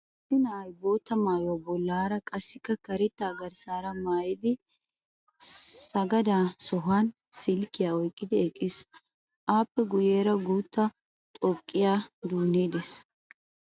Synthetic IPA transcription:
t̪ːɪnɐːjbo̞ːt̪ːɐmaːjɔwabɔlːaːɾɐkʼɐsːɪkːɐkɐɾɛt̪ːaːɡɐɾsaːɾɐmaːjɪd̪ɪ | sɐɡɐd̪aːsɔɦaːn | sɪlkːɪjaːɔjkʼːɪd̪ɪɛkʼːɪs | ʔaːpːɛɡʊjeːɾɐɡuːt̪ːɐ | t̪ʼɔkʼːɪjaːd̪uːnːeːd̪ɛs

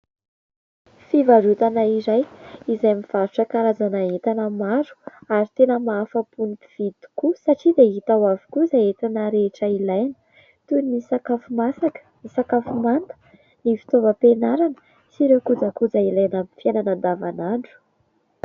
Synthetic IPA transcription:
fivaɾut̪anaiɾajizajamiv̥aɾuʈ͡ʂəkaɾazanaet̪anəmaɾu̥aɾit̪enəmaːfapunipiv̥id̪i̥kusaʈ͡ʂid̪eɦit̪awavi̥kuzajet̪anəɾeʈ͡ʂəilajnə̥ | t̪unisakafumasakə̥nisakafumant̪ə̥ | nifi̥t̪ovəpenaɾanə̥ | siɾewkud͡zakud͡zailajnamifiananand̪avanaɳɖ͡ʐu̥

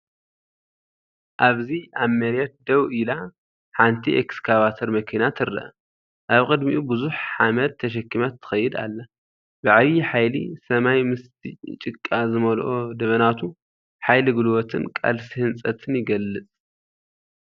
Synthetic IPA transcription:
ʔaβziamːɐɾjɛt̪̚d̪ɐwila | ħant̪ʰiʔekskʰaβat̪ʰɐɾmɐkʰinat̪ʰɨɾɐ̰ʔɐ | ʔaβkʼɨd̪miʔubɨzuħħamɐt̪̚ʰːɐʃ̬ɐkʰːimat̪ʰːɨ̥xɐjːɪd̪a̰lːɐ | bɨʕaβiħajlḭsɐmajmɨst̪ʰit͡ʃʼɨkʼːazɨmɐlʔod̪ɐβɐnat̪ʰu | ħajliɡɨlwot̪ʰɨnkʼa̰lsihɨnt͡sʼɐt̪ʰɨnjɪɡɐlːɨt͡sʼ

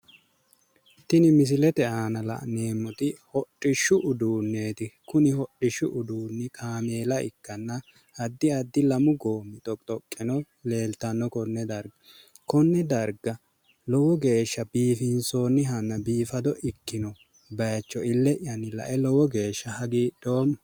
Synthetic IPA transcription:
t̪ːɪnɪmɪs̬ɪlɛt̪ɛaːnɐlɐ̰ʔne̞ːmːɔt̪ɪhɔtʼːɪʃʊʔʊd̪uːnːeːt̪ɪkʊnɪhɔɗɪʃʊʔʊd̪uːnːɪkʰaːmeːlɐɪ̰kːɐnːɐ | ɐd̪ːɪɐd̪ːɪlɐmʊɡoːmːɪt̪ʼɔt̪ʼɔkʼːɪnɔ | le̞ːlt̪ɐnːɔkɔnːɛd̪ɐɾɡ | kɔnːɛd̪ɐɾɡɐ | lɔwɔɡe̞ːʃːɐbiːfɪnsoːnːɪɦɐnːɐbiːfɐd̪ɔʔɪkːɪnɔ | bɐjt͡ʃːɔɪlːɛʔɪjɐnːɪlɐ̰ʔɛlɔwɔɡe̞ːʃːɐhɐɡiːd̪̥oːm

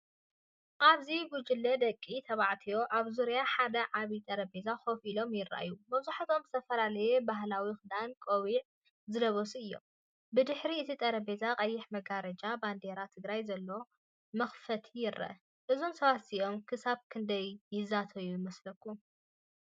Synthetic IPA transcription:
ʔaβziɡud͡ʒɪlːɐd̪ɐkʼːit̪ʰɐβaʕt̪ʰijo̞ʔaβzuɾijaħad̪ɐʕaβit̪ʼɐɾɐbe̞zaxo̞filo̞mjɪrːa̰ʔjumɐβzuħat̪ʰo̞mzɨt̪ʰɐfɐlalɐjebaɦlawixɨd̪ankʼowiʕ | zɨlɐβosuɨjːo̞̰m | bɨd̪ɨħɾiɨt̪ʰit̪ʼɐɾɐbe̞zaqʼɐjːɪħmɐɡaɾɐd͡ʒaband̪e̞ɾat̪ʰɨɡɾajzɐlːo̞ | mɐxfɐt̪ʰijɪɾɐ̰ʔ | ʔɨzomsɐβat̪siʔo̞mkʰɨsaβkʰɨnd̪ɐjːɪzat̪ʰɐjujɪmɐslɐkːu

